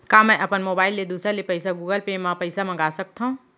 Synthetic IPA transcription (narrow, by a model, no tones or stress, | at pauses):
kaːmɛ̃ʔɐpənmoːbaːɪlːed̪uːsɾəlepɐɪsaɡuːɡəlpeːmãpɐɪsamɐ̃ŋɡaːsɐk̚t̪aũ